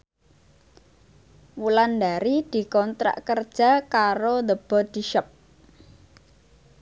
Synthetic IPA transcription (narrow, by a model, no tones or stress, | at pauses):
wuland̪aɾid̪̥i̤kɔnt̪ɾa̰ʔkərd̥ʒ̥a̤kaɾod̪əb̥ɔ̤d̪̥i̤ʃɔp̚